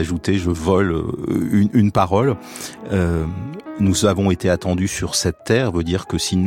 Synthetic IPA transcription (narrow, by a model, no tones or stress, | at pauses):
aʒut̪eʒəvɔlø̰ynynpaʁɔl | ø | nuzavɔ̃et̪eat̪ɑ̃d̪ysyʁsɛt̪ːɛʁvød̪iʁkəsin